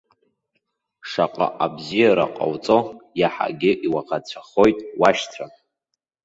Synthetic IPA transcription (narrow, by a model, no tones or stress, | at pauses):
ʂaqʼa̰ʔabzijaɾa̰qʼa̰wt͡sʼojaħa̰ɡʲɪʔiwaqat͡ɕʷʰaχo̞jtʼwaʃtʰra